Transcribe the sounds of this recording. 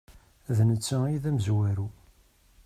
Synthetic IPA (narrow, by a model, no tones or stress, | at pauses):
ðnət͡sːəiðæməzwæɾu